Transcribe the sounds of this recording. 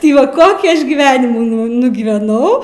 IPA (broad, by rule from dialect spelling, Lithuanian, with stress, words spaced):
tʲɪ ˈʋɐ ˈkoːkʲiː ˈɐʃ ɡʲiːˈʋʲæːnʲɪmuː nʊ nʊɡʲiːʋʲɛˈnɐʊ